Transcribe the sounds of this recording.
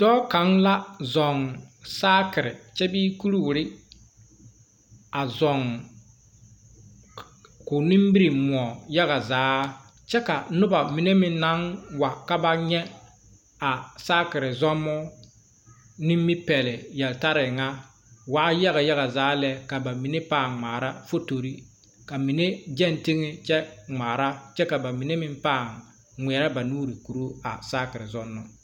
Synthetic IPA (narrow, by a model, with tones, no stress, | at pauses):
d̥ɔː˦ka˨˦ŋla˦zɔ˨ŋsaː˦kɪ˨ɾɪ̰˨t͡ʃɛ˦biː˦ku˦ɾu˦wɾɪ˦ | a˨zɔ˨ŋ | kʊ˨nĩ˦mbi˦ɾi˨mʊ˨ɔ˨ja˦ɣa˨zaː˨˦ | t͡ʃɛ˦ka˨nʊ˦ba˨mi˨ne˦mɪ˦na˨˦nwa˨ka˦ba˦ɲɛ˦ | a˨saː˦kɪ˨ɾɪ˨zɔ˦mːɔ˦ | nɪ˦mː˦i˦pɛ˨lɪ˨jɛ˨lta˦ɾɪ˨ŋa˦ | waː˨˦ja˦ɣa˨ja˦ɣa˨zaː˨˦lɛ˦ka˨ba˨mi˨ne˦paː˦˨ŋŋ͡maː˨ɾa˦fo˦to˨ɾi˦ | ka˨mi˨ne˦d͡ʒɛ˦˨nti˦ŋɪ˦t͡ʃɛ˦ŋ͡maː˨ɾa˦t͡ʃɛ˦ka˨ba˨mi˨ne˦mɪ˦mpaː˦˨ŋ | ŋʷɛ˨ɾa˦ba˨nuː˦ɾi˨ku˨ɾo˦a̰˨saː˦kɪ˨ɾɪ˨zɔ˦nːɔ˦